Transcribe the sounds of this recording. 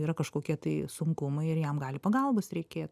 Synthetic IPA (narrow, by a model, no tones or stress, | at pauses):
iːɾɐkɐʃkoːkʲiɛt̪ɐɪsʊŋkʊmɐɪɪɾjɛmɡɑːlʲɪpɐɡɐlˠboːsɾʲɛɪkʲeːt̪